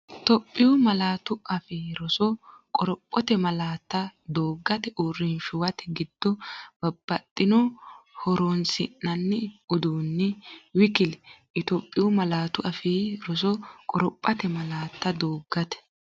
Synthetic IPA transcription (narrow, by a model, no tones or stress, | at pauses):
t̪ɔpʼːɪjʊmɐlaːt̪ʊɐfiːɾɔsɔkʼɔɾɔpʼːɔt̪ɛmɐlaːt̪ːɐd̪oːɡːɐt̪ɛʔʊrːɪnʃʊwɐt̪ɛ̥ɡɪd̪̥ːɔb̥ɐb̥ːɐt̪ʼːɪnɔhɔɾoːnsɪ̰nːɐnːɛʊd̪uːnːɪwɪkɪlɛʔɪt̪opʼːɪjʊmɐlaːt̪ʊʔɐfiːɾɔs̬ɔkʼɔɾɔpʼːɐt̪ɛmɐlaːt̪ːɐd̪oːɡːɐt̪ɛ̥